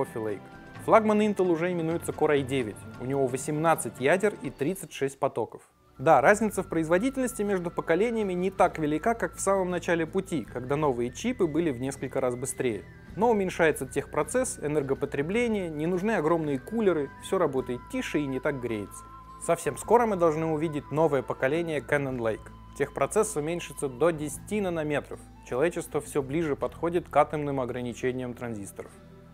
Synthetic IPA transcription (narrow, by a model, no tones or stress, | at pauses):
ofʲɪlˠḛjk | flˠaɡmənint̪əlˠʊʐɛɪmʲɪnujɪt̪səkoɾajdʲevʲɪtʲʊ̰nʲɪvo̞vəsʲɪmnat̪sɨtʲjædʲɪrit̪ɾʲit̪sɨtʲʂɛsʲt̚ʲpɐt̪o̞kəf | d̪aɾazʲnʲɪt̪səfpɾəɪzvɐdʲitʲɪlʲnəsʲtʲɪmʲe̞ʐd̪ʊpəkɐlʲenʲɪjəmʲɪnʲɪt̪akvʲɪlʲɪkakakfsaməmnɐt͡ɕælʲɪpʊtʲikɐɡd̪ano̞vɨjət͡ɕipɨbɨlʲɪvnʲe̞skəlʲkəɾazbɨst̪ɾʲejɪ̰ | no̞ʊmʲɪnʲʂajɪt̪sətʲe̞xpɾɐt̪sɛsɛnɛrɡəpət̪ɾʲɪblʲenʲɪjənʲɪnʊʐnɨɐɡɾo̞mnɨjəkulʲɪɾɨfsʲo̞ɾɐbo̞t̪əjɪt̪tʲːiʂɨinʲɪt̪ak̚ɡɾʲejɪt̪sə̥ | sɐfsʲe̞msko̞ɾəmɨd̪ɐlˠʐnɨʊvʲidʲɪtʲno̞vəjəpəkɐlʲenʲɪjəkɛnənlˠejk | tʲe̞xpɾɐt̪sɛsːʊmʲenʲʂɨt̪səd̪odʲɪsʲɪ̥tʲinənɐmʲe̞t̪ɾəf | t͡ɕɪlˠɐvʲet͡ɕɪst̪vəfsʲoblʲiʐɨpɐt̪xo̞dʲɪt̪kat̪əmnɨmɐɡɾənʲɪt͡ɕenʲɪjəmt̪ɾɐnzʲist̪əɾə̰f